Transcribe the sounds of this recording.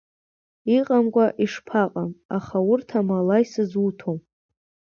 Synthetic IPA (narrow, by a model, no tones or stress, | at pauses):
iqʼamkʷʼaʔiʂpʰaqʼamaχawʊrtʰamalajsɨzutʰom